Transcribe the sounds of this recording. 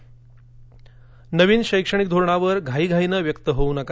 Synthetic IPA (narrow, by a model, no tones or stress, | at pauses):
nəʋiːnɕəjkʂəɽ̃ik̚d̪ʱoɾɳaʋəɾɡʱaiːɡʱainəʋjəkt̪əɦounəka